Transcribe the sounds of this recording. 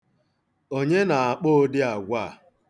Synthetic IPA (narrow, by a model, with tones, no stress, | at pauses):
o˦ɲe˦na˨a˨k͡po˦dɪ˦a˨ɡʷa˦˨